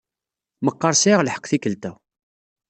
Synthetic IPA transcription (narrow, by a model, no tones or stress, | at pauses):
məqːəɾˤsiʁlħə̥qːθikəlt̪æ